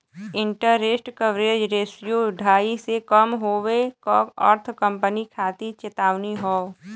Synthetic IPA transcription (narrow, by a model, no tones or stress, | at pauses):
ɪ̃ɳʈəːeːsʈkəʋɾeːd͡ʒɾeːsijoɖʱaːisekəmɦoːʋekɔːkɔ̰ːɾt̪ʰkə̃mpənikʰaːt̪it͡ʃɪt̪aːʋniɦɔː